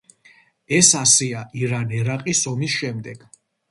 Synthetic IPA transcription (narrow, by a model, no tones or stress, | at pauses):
ɛsasɛaʔiɾanɛɾaqʼisɔmisʃɛmd̪ɛɡ̥